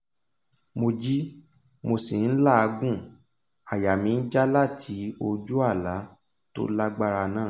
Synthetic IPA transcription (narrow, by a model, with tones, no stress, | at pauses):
mo˧d͡ʒi˦ | mo˧si˨n̩˦la˦˨a˧ɡũ˦˨ | a˨ja˨mĩ˧n̩˦d͡ʒa˦la˦˨tʰi˨˦o˧d͡ʒu˦a˦˨la˨˦ | to̰˦la˦ɡ͡ba˦ɾa˧nãː˦˨